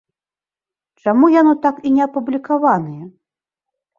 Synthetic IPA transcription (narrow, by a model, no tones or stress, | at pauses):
t͡ʂamujanɔt̪akinʲɛɐpublʲikavanɨjɛ